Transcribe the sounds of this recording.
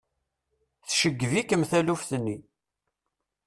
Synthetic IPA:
θʃəɡːvikəmθælufθənːi

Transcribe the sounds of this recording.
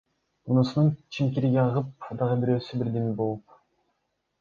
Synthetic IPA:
unusununt͡ʃʰimk̬ʲiɾiɡʲeɑʁɯp̚d̪ɑʁɯbiɾø̞ːsybiɾd̪emibo̞lˠup

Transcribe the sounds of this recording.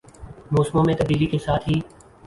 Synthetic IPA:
moːsmõːmẽːt̪əbiːlikeːsaːt̪ʰɦiː

